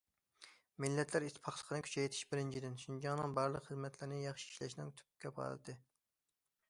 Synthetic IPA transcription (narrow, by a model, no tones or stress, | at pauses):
mɪlːɛt̪ʰlæɾit̪ʰːpʰɑχlˠəqʰənɨkʲʰy̥t͡ʃʰɛjt̪ʰɪ̥ʃbɪɾɪnt͡ʃʰid̪ɪnʃund͡ʒɑŋnɨŋbɑɾlˠəqχəzmɛt̪ʰlɪɾnɪjɑχʃi̥iʃlɛʃnɪ̰ŋt̪ʰy̥pkʲɛpʰɑ̰ɾ̰d̪ɨ